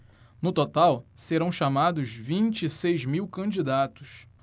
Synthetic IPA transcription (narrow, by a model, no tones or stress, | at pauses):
nʊt̪ot̪awseɾɐ̃w̃ʃamad̪ʊzvĩnt͡ʃisejzmiwkɐ̃d͡ʒid̪at̪ʊs